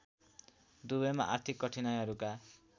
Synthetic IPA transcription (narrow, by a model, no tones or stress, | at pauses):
d̪ubʌma̰ʔart̪ʰikːʌʈʰinajɦʌɾuka